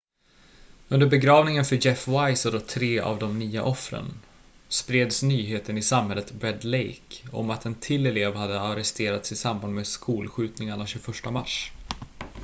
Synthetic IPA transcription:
ɵnd̪əɾbɛɡɾɑːvnɪŋənfœd͡ʒɛfvajsɔd̪ɔt̪ʰɾeːʔa̰vd̪ɔmnyːa̰ʔɔfɾə̰n | spɾeːd̪snyːɦeːt̪ənɪsamhɛlːət̪bɾɛd̪lejkɔ̰mat̪ʰɛnt̪ʰɪlːɛleːvhad̪ːəaɾɛst̪eːɾat̪sɪsamband̪mɛskʰuːlɧʉ̟ːt̪nɪŋaɳaɕɵfœʂʈamaʂ

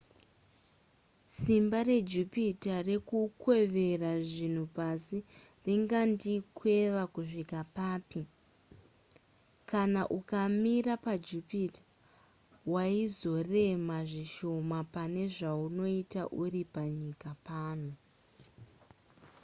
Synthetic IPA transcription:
simbare̞d͡ʒupitare̞kukwe̞ʋe̞raʐin̤upasi | riŋɡandikʰwe̞ʋakuʐikapaːpi | kanaʔukamirapad͡ʒupitḁ | waizo̞re̞maʐiʃo̞mapane̞ʐauno̞itaʔuripaɲikapaːno

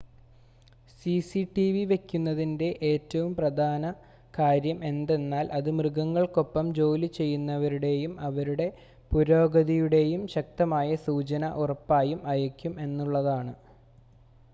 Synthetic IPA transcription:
sisiʈiʋiʋe̞kʲːunːɐðinde̞ʔeːtːɐʋumprɐd̪ʱaːnɐ | kaːɾjɐme̞nd̪e̞nːaːlʔɐðɨmrɨɡɐŋːɐɭko̞pːɐmd͡ʑo̞ːlit͡ɕe̞jːunːɐʋɐɾuɽe̞jumɐʋɐɾuɽe̞ | puɾo̞ːɡɐðijuɽe̞jumɕɐk̚t̪ɐmaːjɐsuːt͡ɕɐnɐʔurɐpːaːjumɐjɐkʲːume̞nːuɭːɐðaːɳɨ

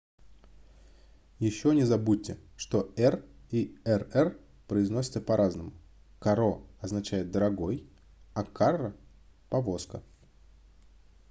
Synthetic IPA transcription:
jɪɕːonʲɪzɐbut̚ʲːɪʂt̪o̞ɛriɛrɛr | pɾəɪznosʲɪ̥t̪səpɐɾʔaznəmʊ | kɐɾoɐznɐt͡ɕæjɪt̪̚d̪əɾɐɡo̞j | ɐkʰarːə | pɐvo̞skə

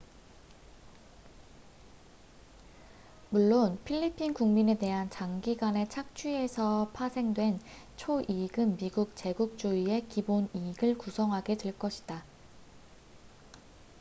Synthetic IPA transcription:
muɭːonpʰiʎːipʰinkuŋmine̞te̞ɦant͡ɕaŋɡiɡwane̞t͡ɕʰak̚t͡ɕʰie̞sʰʌpʰasʰe̞ŋdwe̞n | t͡ɕʰoʔiɡɯnmiɡuk̚t͡ɕe̞ɡuk̚t͡ɕ͈uie̞kiboniɡɯɭkusʰʌŋɦaɡe̞dtweɭk͈ʌɕʰi̥da

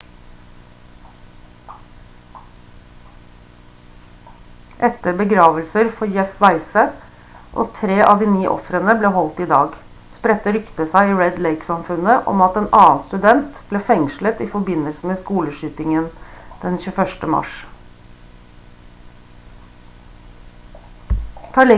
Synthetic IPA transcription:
ʔɛt̪əɾbəɡɾɑːʋəlsəɾfɔjɛfʋæɪsə | ʔo̰ːt̪ʰɾeːʔɑʋd̪iːniːʔɔ̰fɾənəbleːɦɔlt̪ɪd̪ɑːɡ | spɾɛt̪ːəɾʏkt̪əsæɪiːɹɛd̪leɪksɑmfʉnəʔɔ̰mɑt̪eːnʔɑːnst̪ʉd̪ɛnt̪b̥leːfɛŋʃlət̪ɪfɔbɪnːəlsəmeːskuːləʃyːt̪ɪŋənd̪̥ɛnçʉːfœʂʈəmɑ̰ʃ | t̪ʰɑːɭɛ

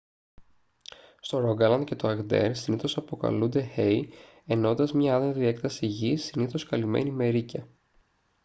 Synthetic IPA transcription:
st̪o̞ɾoɡɐlɐnd̪ce̞t̪oɐɣd̪ḛɾsiniθo̞sɐpo̞kɐ̰lund̪e̞xei | e̞no̞nd̪ɐzmɲɐɐðɐðie̞k̪t̪ɐsiʝisiniθo̞skɐlime̞̰nime̞ɾicɐ

